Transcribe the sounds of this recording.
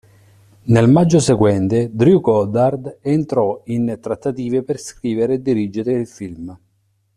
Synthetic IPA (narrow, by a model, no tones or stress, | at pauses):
nelmad͡ʒːoseɡwɛnt̪ed̪ɾjukɔd̪ard̪ent̪ɾɔint̪ɾat̪ːat̪iːveperskɾiːveɾd̪iɾid͡ʒːeɾeilfilm